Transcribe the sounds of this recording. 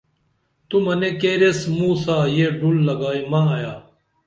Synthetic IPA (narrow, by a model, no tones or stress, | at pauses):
t̪umɐnekeːɾesmũːsaːjeɖulːɐɡaːimãːjaː